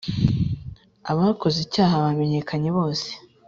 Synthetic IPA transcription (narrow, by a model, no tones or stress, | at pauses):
aβako̞zicaːɦaβame̞ɲe̞kʰaɲe̞βo̞ːse̥